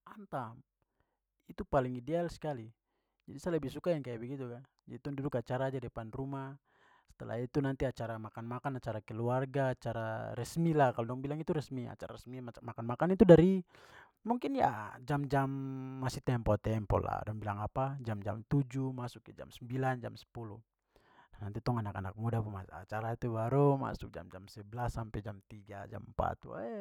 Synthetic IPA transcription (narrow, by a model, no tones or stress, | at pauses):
ant̪am | it̪upaliŋidɛalskali | d͡ʒadisaləbihsukajaŋkajabɛɡit̪ukad͡ʒait̪undudukat͡ʃaɾad͡ʒadɛpanrumah | sɛ̥t̪ɛla̰it̪unant̪iat͡ʃaɾamakanmakanat͡ʃaɾakɛluarɡaːt͡ʃaɾaɾɛsmilakalɔdɔŋbilaŋit̪uɾɛsmia̰t͡ʃa̰ɾa̰ɾɛsmimakanmakanit̪udaɾi | muŋkinja̰d͡ʒamd͡ʒamːasiht̪ɛmpɔt̪ɛmpɔ̰la̰dɔŋbilaŋapad͡ʒamd͡ʒa̰mt̪ud͡ʒumasukad͡ʒa̰msəmbiland͡ʒa̰msɛ̥pulu | danant̪it̪ɔŋanakana̰k̚mudapaa̰t͡ʃaɾait̪ubaɾuma̰sʊk̚d͡ʒa̰md͡ʒamsɛblasːampɛd͡ʒamt̪iɡa̰d͡ʒa̰mpa̰t̪ṵɛ